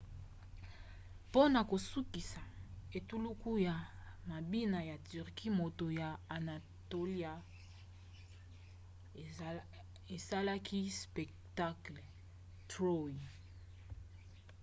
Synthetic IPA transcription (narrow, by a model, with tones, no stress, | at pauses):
po˦na˨ko˨su˦ki˨sa˨e˨tu˦lu˦ku˦ja˨ma˨bi˦na˨ja˨ty˨ʁki˦mo˨to˨ja˨a˨na˨ | to˦li˦a˨ | e˨sa˦la˦kʰi˦spɛ˨kta˦klɛ˨ | tʁo˦i˨